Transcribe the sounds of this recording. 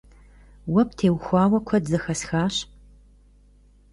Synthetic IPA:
wɐp̚tʰeːwxʷɑːwɐkʷʰɔdzɐxɐsxaːɕ

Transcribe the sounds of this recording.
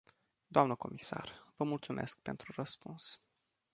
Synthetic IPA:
d̪oamnəko̞̰misa̰rvəmult̪sumʔe̞sk̚pe̞nt̪ɾurəspuns

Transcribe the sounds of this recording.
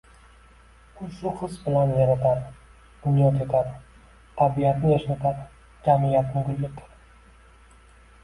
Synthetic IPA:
ʊsʊχɨsbɪlanveɾat̪aɾ | d̪̥ʊnjɒt̪ʰet̪ʰaɾ | t̪ʰabiat̪nɪjaʃnat̪ʰaɾ | d͡ʒamijat̪nɪɡʊlːɪkɾ

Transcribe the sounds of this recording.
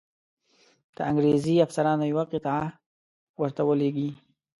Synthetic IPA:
d̪̥əaŋɡɾeziafsaɾɑnojawaqɪt̪ɑa | wəɾt̪awəleɡi

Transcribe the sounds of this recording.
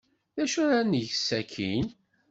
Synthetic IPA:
ðæʃuɾænʝəsːækʰin

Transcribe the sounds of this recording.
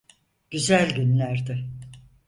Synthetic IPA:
ɟ̥yzælʲɟynlʲæɾd̪ɪ

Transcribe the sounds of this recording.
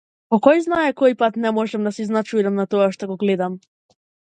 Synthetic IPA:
pɔkɔjznaɛkɔjpat̪nɛmɔʒɛmd̪asiznat͡ʃuɾamnat̪ɔaʃt̪ɔɡɔɡlɛd̪am

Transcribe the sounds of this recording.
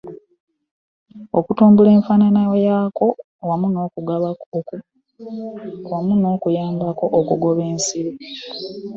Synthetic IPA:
o̰kutuːmbule̞ːɱfaːnanajojaːko̞ | wamuno̞ːkuɡaβakoku | wamuno̞ːkujaːmbako̞ʔokuɡo̞βe̞ːnsiɾi

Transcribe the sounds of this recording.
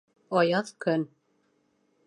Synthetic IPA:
ɑjɑðkɵ̆n

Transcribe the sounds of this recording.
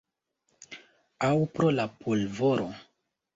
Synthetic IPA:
awpɾolapʰolvoɾo

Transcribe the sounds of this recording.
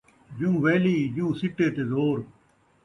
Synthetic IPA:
d͡ʒũːʋeːliːd͡ʒũːsɪʈːeːt̪eːzoːɾ

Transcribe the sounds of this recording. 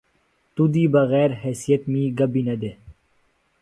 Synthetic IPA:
t̪ud̪iːbɐɣɛːɾɦɛːsijət̪miːɡɐbiːnɐd̪eː

